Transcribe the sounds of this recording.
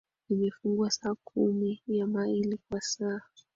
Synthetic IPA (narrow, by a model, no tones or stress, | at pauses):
imɛfuŋɡwasaːkʰumijamailikwasaː